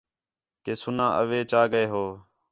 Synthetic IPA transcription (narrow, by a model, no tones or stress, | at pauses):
keːsʊnãːʔə̰ʋeːt͡ʃaːɡəeːɦoː